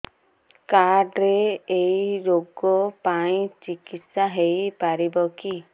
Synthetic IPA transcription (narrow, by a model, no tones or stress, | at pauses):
kaɾɖɾeːiɾoɡɔpaĩt͡ʃikit̪saɦejpaɾibɔki